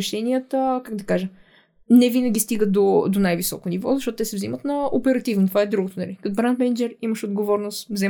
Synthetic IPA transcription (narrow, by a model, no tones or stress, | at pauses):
ɛʃɛniət̪əkaɡd̪ɐkaʒə | nɛvinəɡʲist̪iɡəd̪od̪onajvisɔ̰konivɔ̰zɐʃɔt̪ʊt̪ɛsɛvzimət̪nɐopɛɾɐt̪ivnot̪ovaɛd̪ɾuɡot̪onɐlikɐt̪obɾant̪mɛnd͡ʒɛɾiməʃod̪ɡovɔɾnost̪vzɛ